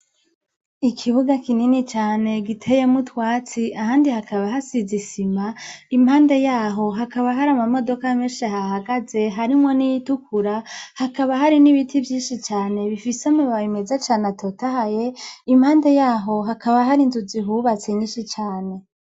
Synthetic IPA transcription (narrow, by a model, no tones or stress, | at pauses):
ikʰiβuɡakininit͡ʃaːne̞ɡitʰe̞je̞mutwaːt͡siaɦaːndihakʰaβaɦasizisimaimhaːnde̞jaːɦo̞ɦakaβaɦaɾamamo̞do̞kameːnʃeɦahaɡaze̞ɦaɾimŋo̞nijitukuɾahakaβaɦaɾiniβitʰivjiːnʃit͡ʃaːne̞βifisomuβaβime̞zat͡ʃaːneatʰotahaje̞imhaːnde̞jaːɦo̞ɦakaβaɦaɾinzuziɦuːβat͡seɲiːnʃit͡ʃaːne̞